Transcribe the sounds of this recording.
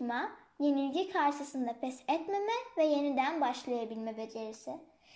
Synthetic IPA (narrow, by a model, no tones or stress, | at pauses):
ma | je̞nilʲɟikʰaɾʃɯsɯnd̪apʰɛsɛt̪me̞mɛvɛje̞nid̪ænbaʃlˠajabilʲmɛbe̞d͡ʒe̞ɾisɪ